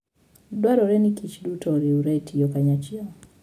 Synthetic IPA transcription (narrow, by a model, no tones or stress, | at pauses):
dwaɾɔɾɛnikit͡ʃdutɔɾiuɾɛtʰijɔkaɲat͡ʃiɔ